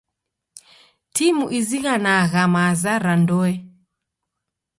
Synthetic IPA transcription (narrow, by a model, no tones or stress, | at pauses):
timuʔiziɣanaɣamazaɾandɔɛ